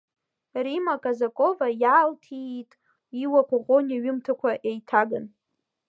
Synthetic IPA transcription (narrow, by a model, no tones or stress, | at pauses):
rimakʼazakʼo̞vajaːltʰitʼ | iwakʷʰʼaʁonʲaɥʊmtʰakʷʰaʔejtʰaɡɨn